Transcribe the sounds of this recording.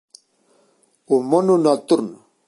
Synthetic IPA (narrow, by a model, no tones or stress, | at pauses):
umonunat̪uɾn